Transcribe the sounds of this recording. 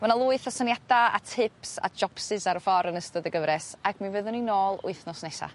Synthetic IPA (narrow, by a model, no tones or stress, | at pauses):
manalˠuːɨθɔsənjadaa̰tʰɪpsa̰d͡ʒɔpsɨsaɾəfɔɾənəstəðəɡəvɾɛsaɡ̥mɨvəðʊninoːlˠʊ̰ɨθnɔsnɛsa̰